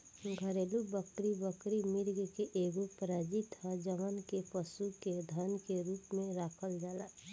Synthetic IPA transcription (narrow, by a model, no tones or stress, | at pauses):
ɡʱəɾelubəkɾibəkɾimiɾɡkeʔeɡopɾad͡ʒit̪ɦɔd͡ʒəmənkepəsuked̪ʱənkeɾuːpmẽɾakʰəld͡ʒaːla